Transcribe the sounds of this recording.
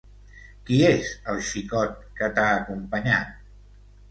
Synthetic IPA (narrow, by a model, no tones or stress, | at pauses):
kiezəlˠʃikɔt̪̚kət̪aəkumpəɲat̪̚